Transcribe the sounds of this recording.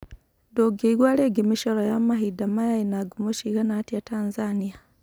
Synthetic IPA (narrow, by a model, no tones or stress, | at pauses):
doɡeiɡwaːleːɡimiʃolojamaɦidamajajinaɡumoʃiɣanatiataːnzanija